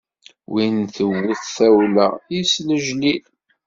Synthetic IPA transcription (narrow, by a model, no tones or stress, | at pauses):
winθəwːəθθæwlæisnəʒnil